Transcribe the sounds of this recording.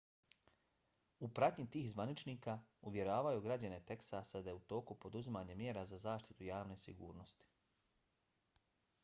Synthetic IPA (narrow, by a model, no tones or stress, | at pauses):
upɾat̪ɲit̪iːxzʋanit͡ʃniːkauʋje̞ɾaːʋajuɡɾad͡ʑane̞t̪eksased̪ajeut̪o̞ːkupo̞d̪uzimaːɲemjeːɾazazaːʃt̪i̥t̪ujaːʋne̞sḭɡṵːɾnost̪i̥